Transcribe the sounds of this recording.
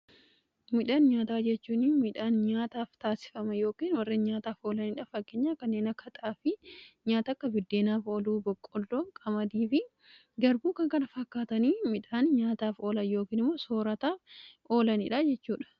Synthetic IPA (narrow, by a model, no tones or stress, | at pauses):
mɪᶑaːnɲaːt̪aːd͡ʒɛt͡ʃːuːniːmɪᶑaːnɲaːt̪aːft̪aːsɪ̥fɐmɐjo̞ːkiːnwɐrːɛɲaːt̪aːfo̞ːlɐnɪᶑɐfɐkːeːɲːaːkɐnːe̞ːnɐkːɐt̪ʼaːfɪɲaːt̪ɐkːɐbɪd̪ːe̞ːnaːfoːluːbɔkʼːɔlːoːkʼɐmɐd̪iːfɪ | ɡɐɾbuːkɐŋkɐnɐfɐkːaːt̪ɐniːmɪᶑaːnɲaːt̪aːfo̞ːlɐnjo̞ːkiːnɪmːoːso̞ːɾɐt̪aːʔoːlɐnɪᶑɐd͡ʒɛt͡ʃːuːᶑɐ̥